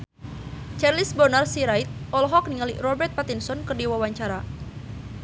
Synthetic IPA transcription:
t͡ʃarlisbɔrnarsiɾajt̪̚ʔɔlɔɦɔk̚niŋalirɔbɛrt̪̚pat̪insɔnkərdiwawaɲt͡ʃaɾa

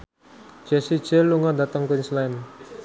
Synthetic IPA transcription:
d͡ʒ̥ɛsi̥d͡ʒɛluŋadat̪əŋkunslɛn

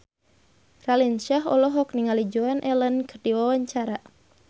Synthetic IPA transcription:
ralinʃaɦɔlɔɦɔk̚niŋalid͡ʒuanʔɛlənkɨrdiwawaɲt͡ʃaɾa

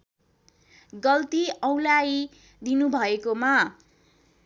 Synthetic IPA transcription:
ɡʌlt̪iʌwlaj | d̪inubʱʌekoma

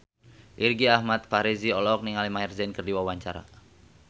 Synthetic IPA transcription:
ʔirɡiahmat̪̚faɾiziɔlɔk̚niŋalimairzɛnkərdiwawaɲt͡ʃa̰ɾa̰

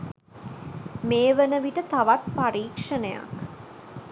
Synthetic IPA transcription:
meːʋənəʋiʈət̪aʋat̪̚pariːkʂənəja̰k

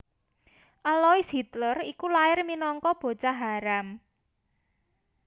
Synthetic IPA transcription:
ʔalɔisɦit̪lərikulaɪrminɔŋkɔb̥o̤t͡ʃaɦaɾam

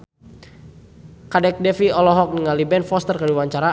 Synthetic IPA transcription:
kadɛk̚dɛfiɔlɔɦɔk̚niŋalibɛnfɔst̪ərkədiwaɲt͡ʃaɾa

